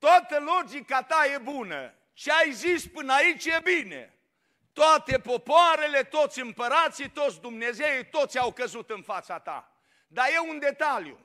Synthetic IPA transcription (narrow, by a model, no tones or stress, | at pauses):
t̪oat̪əlo̞d͡ʒikat̪aje̞bunə̰ | t͡ʃeajzispɨnait͡ʃje̞bine̞̰ | t̪oat̪e̞po̞poaɾe̞le̞t̪o̞t̪sʲɨmpəɾat̪sit̪o̞t̪sʲd̪umne̞ze̞it̪o̞t̪sʲawkəzut̪ɨnfat̪sat̪a̰ | d̪aje̞und̪e̞t̪aljṵ